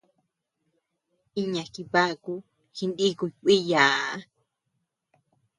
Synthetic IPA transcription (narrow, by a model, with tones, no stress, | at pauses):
i˦ɲa˨ki˨pa˦ku | xinɗi˦ku˨jkʷi˦jaː